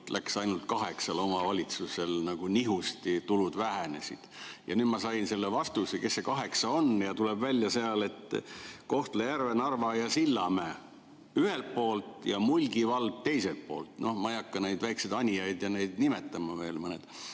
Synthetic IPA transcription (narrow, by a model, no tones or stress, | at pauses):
lʔæksɑjnult̪̚kɑɦe̞ksɑlo̞mɑvɑlʲit̪suse̞lnɑɡ̥uniɦust̪it̪ulud̪væɦene̞sḭd̪̥jɑ̰nyːd̪̥mɑsɑjnse̞lːevɑst̪useke̞sːe̞kɑɦe̞ksɑo̞njɑt̪ulebvælʲːjɑseɑle̞t̪ːko̞ht̪lejærvenɑrvɑjɑsilːɑmæː | yhelt̪̚po̞ːlt̪jɑmulʲɡ̥ivɑld̪̥̚t̪e̞jselt̪̚po̞̰ːlt̪no̞hmɑijɑkːɑnejd̪væjksed̪ɑnʲijɑjd̪̥jɑne̞jd̪̥nimet̪ːˑɑmɑve̞ːlmɤned̪̥